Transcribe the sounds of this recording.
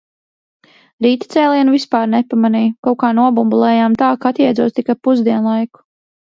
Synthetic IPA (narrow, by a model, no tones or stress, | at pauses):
ɾiːt̪it̪sɛːlˠiɛnuvispaːɾnɛpamaniːjkawkaːnuɔbumbulˠɛːjamt̪aːkaat̪jɛjdzuɔːst̪ikajpuzd̪iɛnlˠajku̥